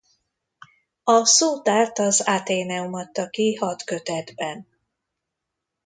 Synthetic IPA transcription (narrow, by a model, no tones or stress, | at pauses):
ɒsoːt̪aːrt̪ɒzat̪eːnɛumɒt̪ːɒkihɒt̪køt̪ɛd̪bɛn